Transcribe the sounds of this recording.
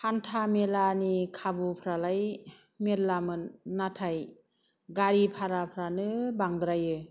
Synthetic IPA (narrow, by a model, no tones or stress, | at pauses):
hantʰamelanikʰabupʰɾalaj | medlamɯnːatʰaj | ɡaɾipʰaɾapʰɾanɯbaŋd̪ɾajɯ